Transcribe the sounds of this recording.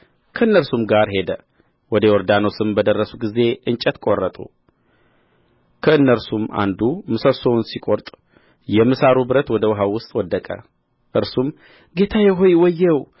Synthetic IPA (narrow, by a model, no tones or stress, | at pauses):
kʰəɨnːəɾsumɡaɾɦe̞d̪ə | wɔd̪əwɔɾd̪anosɨmbəd̪ərːəsuɡize̞ʔɨnt͡ʃʼɛt̪kʼorːət̪ʼṵ | kʰəɨnːəɾsuma̰nd̪umɨsəsonsikʼoɾt̪ʼ | jɛmɨsaɾubɨɾət̪wɔd̪əwɦawʊst̪ʼwɔd̪ːəkʼə̰ | ʔɨɾsum | ɡe̞t̪ʰajɛɦo̞jwɔjːɛw